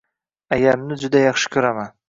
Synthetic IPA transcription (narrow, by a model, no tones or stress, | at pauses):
ajamnɪd͡ʒʊd̪ajɑχʃɪ̥kʲʰɵɾaman